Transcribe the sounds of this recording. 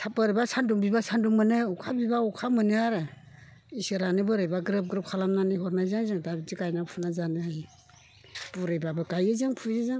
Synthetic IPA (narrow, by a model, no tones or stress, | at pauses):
tʰapɯɾɯbasanduŋbibasanduŋmɯnɯɔkʰabibaɔkʰamɯnɯaɾɯ | isɯɾanɯbɯɾɯjbaɡɾɯp̚ɡɾɯp̚kʰalamnanihɔɾnajzaŋzɯŋdabizikajnapʰunazanɯɦaj | b̥uɾɯjbabɯkajɯzɯŋpʰujɯzɯŋ